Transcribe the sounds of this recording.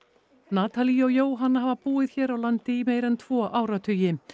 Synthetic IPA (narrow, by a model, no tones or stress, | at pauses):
naːt̪ʰaliɔwjoːwɦanːaɦavapuːɪðçɛːɾawlant̪ɪimeːjɾɛnt̪ʰv̥ɔːʔaːwɾat̪ʰʏjɪ